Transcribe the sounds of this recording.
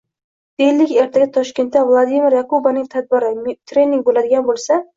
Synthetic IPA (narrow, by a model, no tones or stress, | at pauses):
d̪̥elːɪkʲeɾt̪ʰaɡʲɪt̪ʰɒʃkʲe̞nt̪ːavlˠad̪imɪɾjakobanɪŋt̪ʰad̪̚bɪɾɪt̪ʰɾe̞nɪŋɡ̚ʲbolad̪ɪɡʲanbolˠsa